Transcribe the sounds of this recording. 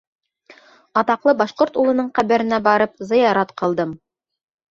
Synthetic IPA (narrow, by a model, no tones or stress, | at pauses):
ɑt̪ɑqlˠɤbɑʃqoɾt̪ulˠɤ̆nɤɴqæβæɾɘ̆næbɑɾɤp̚zɤ̆jɑɾɑt̪qɤ̆lˠd̪ɤm